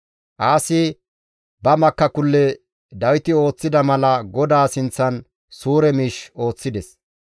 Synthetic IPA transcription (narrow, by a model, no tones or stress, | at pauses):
ʔaːsɪ | bɐmɐkːɐkʊlːɛ | d̪ɐwɪt̪ɪo̞ːt͡sːɪd̪ɐmɐlɐɡɔd̪aːsɪnt͡sːɐn | suːɾɛmiːʃo̞ːt͡sːɪd̪ɛs